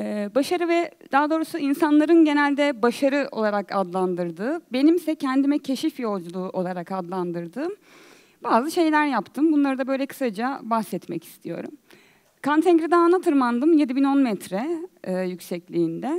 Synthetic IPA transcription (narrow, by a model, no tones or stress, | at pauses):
ɛbaʃaɾɯvɛd̪̥aːd̪o̞ːɾusuinsanlˠaɾɯnɟe̞nælʲd̪ɛbaʃaɾɯʔo̞̰lˠaɾakad̪lˠand̪ɯɾd̪ɯːbe̞nimsɛcʰɛnd̪imɛcʰe̞ʃifjo̞lˠd͡ʒulˠuːʔo̞lˠaɾakad̪lˠand̪ɯɾd̪ɯːm | baːzɯʃe̞jlʲæɾjapt̪ʰɯmbunlˠaɾɯd̪abø̞jlʲɛkʰɯ̥sad͡ʒabaxsɛt̪mɛ̰ci̥st̪ʰijo̞̰ɾṵm | kʰant̪ʰɛŋɡɾid̪ɛːnat̪ʰɯɾmand̪ɯmje̞d̪ibino̞nmɛt̪ʰɾɛːjycsɛclʲiːnd̪ɛ